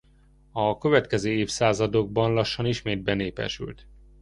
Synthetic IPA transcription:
ɒkø̞vɛt̪kɛzøːeːfsaːzɒd̪o̞ɡ̚bɒnlɒʃːɒniʃmeːd̪̚bɛneːpɛ̰ʃy̰lt̪

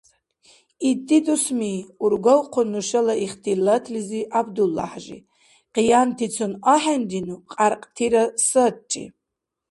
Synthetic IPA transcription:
idʼid̪usmiuɾɡowqʰʷʊnːuʃɐlaiχtʰilatʰliziʔabd̪ulːa̰ħʒḭ | qijantʰit͡sʰunaħand̪inuqʼarqʼtʰiɾasəd̚t͡ʃʼḭ

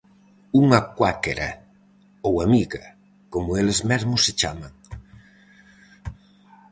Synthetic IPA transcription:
uŋakwakeɾa̰ | owamiɣa | komʊelezmezmʊset͡ʃamãŋ

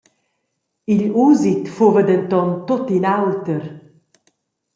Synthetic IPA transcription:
iʎuːzit̪fovəd̪ɛnt̪ɔnt̪ot̪inawt̪əɾ

